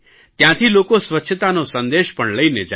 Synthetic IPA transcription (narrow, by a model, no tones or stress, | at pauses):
t̪jãt̪ʰilokosʋətːʃʰət̪anosə̃nd̪eʃpəɳləined͡ʒ